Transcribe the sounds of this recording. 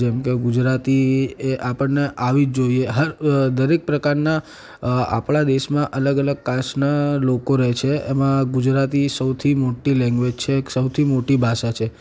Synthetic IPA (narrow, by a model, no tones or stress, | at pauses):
ɛmkeɡud͡ʒɾat̪ieʔapəɳneʔaʋid͡ʒd͡ʒoieɦəɾd̪əɾek̚pɾəkaɾna | a̰pɭad̪eʃmãʔələɡələɡ̚kaʃnalokoɾɛɦt͡ʃʰeemãɡud͡ʒɾat̪isəwt̪ʰimoʈilɛ̃ŋɡʋed͡ʒt͡ʃʰeksəwt̪ʰimoʈibʱaʃat͡ʃʰe